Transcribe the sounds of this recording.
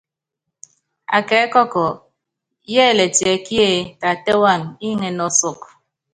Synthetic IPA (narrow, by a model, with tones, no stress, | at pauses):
a̰˨kɛ˨˦kɔ˦kɔ˨ | jɛː˦˨le˨tje˨kje˦˨ta˨te˦wa˦˨mi˦ŋe˨nɔ˨sʊ˦˨k